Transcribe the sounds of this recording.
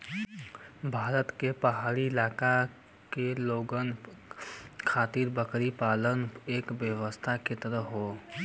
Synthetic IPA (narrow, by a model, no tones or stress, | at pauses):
bʱaːɾət̪kepəɦaːɾiɪlaːka | keloːɡən | kʰaːt̪iːɾbəkɾipaːləneːkʋjəʋəst̪ʰaket̪əɾəɦoː